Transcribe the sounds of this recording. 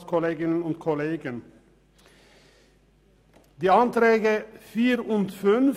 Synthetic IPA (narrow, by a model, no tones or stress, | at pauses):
skʰɔleːɡɪnənʊnt̪kʰɔleːɡən | d̪̥iːɑnt̪ɾɛːɡəfiːɾʊnt̪fʉn